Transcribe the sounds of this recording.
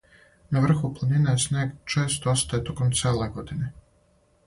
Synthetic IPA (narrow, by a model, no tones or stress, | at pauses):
naʋr̩xuplˠanineesnʲeːɡt͡ʃeːst̪oost̪ajet̪o̞komt̪sʲeːleɡo̞d̪ine